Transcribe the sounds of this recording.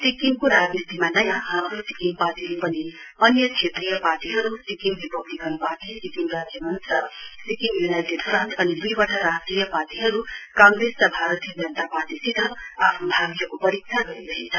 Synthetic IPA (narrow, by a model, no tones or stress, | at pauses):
sikiŋkoɾaɡist̪imanʌjãɦamɾosi̥kiŋpaʈiɾupʌniʌnjʌkʰet̪rijʌparʈiɦʌɾusikiŋbipʌblikɦʌnupaʈ̪isikiŋrad͡zjʌmʌnt̪sʌsikiŋjunajʈeɖpʰrʌnsʌnid̪ujbʌʈʰaɾasʈrijʌparʈiɦʌɾukãŋɡrestʌbʱaɾʌt̪ijʌd͡zʌnt̪aparʈisid̪ʱʌapʰnobʱaɡjʌkopʌɾik̚sʰaɡʌɾid̪ʌɦʰint͡sʰʌ